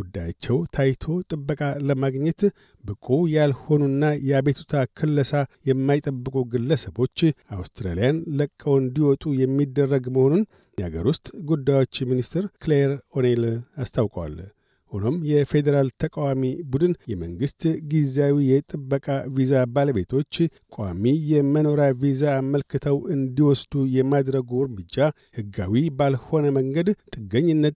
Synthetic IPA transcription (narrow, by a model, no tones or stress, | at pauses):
ɡud̪ːajat͡ʃːɛwt̪ʰajt̪ʰo̞t̪ʼɨbːəkʼaləmaɡɲːɛt̪ | bɨkʼujalho̞nuɨnːajɛaβet̪ʰut̪ʰakʰɨlːəsajɛmːajt̪ʼəbːɨkʼuɡɨlːəsəβo̞t͡ʃːʔawst̪ɾa̰lijanləkʼːəwɨnd̪iwɔt̪ʼujɛmːid̪ːərːəɡməho̞nun | jɛhaɡə̰ɾwʊst̪ʼɡud̪ːajo̞t͡ʃːminist̪ɨɾkleɾo̞nelast̪ʰawkʼwa̰l | hono̞mjɛfe̞d̪əɾalt̪ʰəkʼawamibud̪ɨnjɛməŋɡɨst̪ɡizawijɛt̪ʼɨbːəkʼavizabaləbe̞t̪ʰo̞t͡ʃː | kʼowa̰mijɛməno̞ɾavizaːməlkʰɨt̪ʰəwɨnd̪iwɔsd̪ujɛmad̪ɾəɡuwɾmɨd͡ʒːa | hɨɡːa̰wibalho̞nəməŋɡəd̪t̪ʼːɨɡːəɲːɪnːət̪